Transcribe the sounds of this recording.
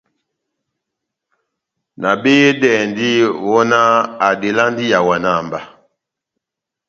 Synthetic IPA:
na˨be˦je˦dɛː˨ndi˦wɔ˦na˦a˨de˨la˦ndi˦ja˨wa˨na˦˨mba˨

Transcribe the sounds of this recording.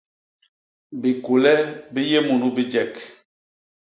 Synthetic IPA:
bi˨ku˨lɛ˦bi˦je˦mu˨nu˦bi˦d͡ʒɛ˦˨k

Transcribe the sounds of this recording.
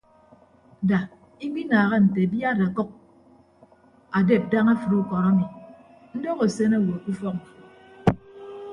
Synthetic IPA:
da˨ | i˦ɡ͡bi˦naː˨ɣa˦n̩˨te˨bja˦˨da˨kɔ˦k̚ | a˨de˦˨p̚da˦ŋa˦fu˨ɾu˦kɔ˨ɾa˦mi˨ | n̩˦dɔ˦ɣo˨se˦na˦˨wo˨ku˦fɔ˦k̚ŋ̩˨fu˨

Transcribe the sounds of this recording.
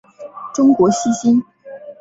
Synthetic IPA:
ʈ͡ʂʊ˥ŋkwɔ˧˥ɕi˥ɕi˥n

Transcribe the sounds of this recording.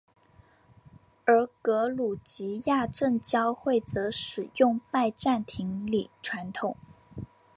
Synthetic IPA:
ə˞˧˥kɤ˧˥lu˨˩t͡ɕi˧˥ja˥˧ʈ͡ʂə˥˩ŋt͡ɕjɑ˥ʊxwe˥˩ɪt͡sɤ˧˥ʂɻ̩˨˩jʊ˥˧ŋpa˥˧ɪʈ͡ʂa˥˩nt̪ʰi˧˥ŋli˨˩˦ʈ͡ʂʰwa˧˥nt̪ʰʊ˨˩˦ŋ

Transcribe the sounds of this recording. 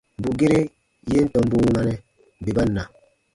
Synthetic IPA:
m˨bu˨ɡe˦ɾe˦ | je˦n̩˦tɔ˨m˦bu˦wu˦a˦nɛ˦˨ | be˨ba˦nːa˨

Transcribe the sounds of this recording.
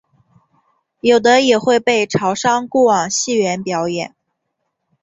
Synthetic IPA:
jo˨˩ʊd̪ə˦jɛ˨˩xwe˥˧ɪpe˥˩ɪʈ͡ʂʰɑ˧˥ʊʂɑ˥ŋkuɔ˥˩wɑ˨˩ŋɕi˥˩ɥɛ˧˥npjɑ˧˥ʊjɛ̰˨˩˦n

